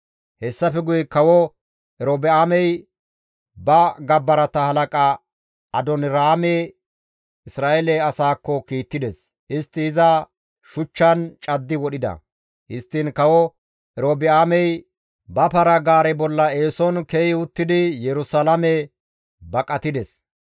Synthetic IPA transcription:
hɛsːɐfɛɡʊjɛkɐwɔ | ʔɛɾoːbɪaːmɛj | bɐɡɐbːɐɾɐt̪ɐhɐlɐkʼɐ | ɐd̪ɔnɾaːmɛ | ɪsɾaːɛlɛɐsaːkːɔkiːt̪ːɪd̪ɛs | ɪst̪ːɪɪzɐ | ʃʊt͡ʃːɐnt͡ʃʼɐd̪ːɪwɔɗɪd̪ɐ̰ | hɪst̪ːɪnkɐwɔ | ʔɛɾoːbɪaːmɛj | bɐpɐɾɐɡaːɾɛbɔlːɐeːsɔnkɛjɪʊt̪ːɪd̪ɪjɛɾʊsalɐmɛ | bɐkʼɐt̪ɪd̪ɛs

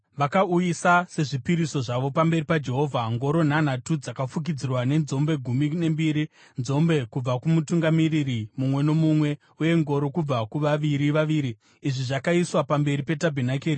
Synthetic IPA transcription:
ʋakaujisase̞ʐipiɾiso̞ʐaʋo̞pambe̞ɾipad͡ʒe̞ɦo̞vʱaŋɡo̞ɾo̞n̤an̤atud͡zakafuk̬id͡zirwane̞nzo̞mbe̞ɡʱumine̞mbiːɾi | nzo̞mbe̞kub͡vakumutuŋɡamiririmumwe̞no̞mumwe̞ | uje̞ŋɡo̞ɾo̞kub͡vakuʋaʋiɾiʋaʋiːɾiː | ʐiʐakaiswapambe̞ɾipe̞tabʱenakeːɾi

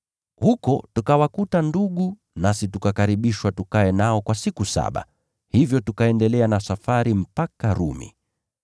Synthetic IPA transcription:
hukɔtukawakutanduɠu | nasitukakaɾiɓiʃwatukaɛnaɔkwasikusa̰ɓa̰ | hivjɔtukaɛndɛlɛanasafaɾim̩pakaɾṵmḭ

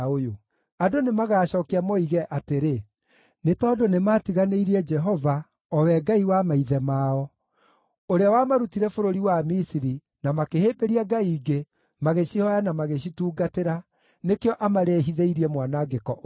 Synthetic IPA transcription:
ojo | adonemaɣaːɕɔːkeamɔiɣɛʔateɾe | netɔdonematiɣaneiɾiɛd͡ʒɛɦɔva | ɔwɛɡaiwamaiðɛmaːɔ | oɾeawamaɾutiɾɛfoɾoɾiwamisiɾi | namakeheːbeɾiaɡaiːɡe | maɣeɕihɔjanamaɣeɕituːɡateɾa | nekeɔʔamaɾeɦiðeiɾiɛmwanaɡekɔʔ

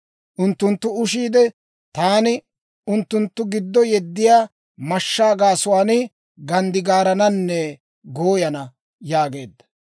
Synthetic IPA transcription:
ʔʊnt̪ːʊnt̪ːʊʊʃiːd̪ɛ | t̪aːnɪ | ʊnt̪ːʊnt̪ːʊɡɪd̪ːɔjɛd̪ːɪjaː | mɐʃːaːɡaːsʊwaːnɪ | ɡɐnd̪ɪɡaːɾɐnɐnːɛ | ɡoːjɐnɐ | jaːɡe̞ːd̪ːɐ̥

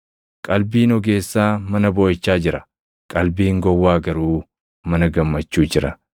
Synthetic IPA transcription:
kʼɐlbiːnɔɡe̞ːsːaːmɐnɐbɔːɪt͡ʃːaːd͡ʒɪɾɐ | kʼɐlbiːŋɡɔwːaːɡɐɾuː | mɐnɐɡɐmːɐt͡ʃːuːd͡ʒɪɾɐ

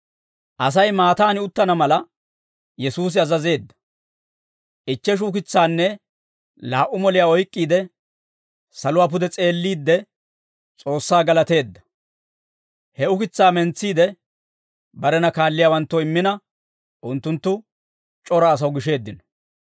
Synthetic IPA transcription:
ʔɐsɐjmaːt̪aːnɪʊt̪ːɐnɐmɐlɐ | jɛsuːs̬ɪɐzɐze̞ːd̪ːɐ̥ | ʔɪt͡ʃːɛʃ̬ʊkɪt͡sːaːnːɛ | laːʔʊmɔlɪjaːɔjkʼːiːd̪ɛ | sɐlʊwaːp̬ʊd̪ɛt͡sʼe̞ːlːiːd̪ːɛ | t͡sʼo̞ːsːaːɡɐlɐt̪e̞ːd̪ːɐ̥ | hɛʊkɪt͡sːaːmɛnt͡sːiːd̪ɛ | bɐɾɛnɐkaːlːɪjaːwɐnt̪ːɔɪmːɪnɐ | ʔʊnt̪ːʊnt̪ːʊ | t͡ʃʼɔɾɐːs̬ɐwɡɪʃe̞ːd̪ːɪnɔ

